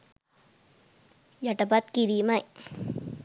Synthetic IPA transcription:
jaʈabat̪̚kid̪iːmaj

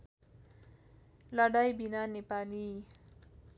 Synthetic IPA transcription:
lʌɽajbinanepali

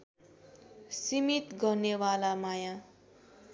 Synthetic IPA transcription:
simit̪ɡʌrnewalamaja

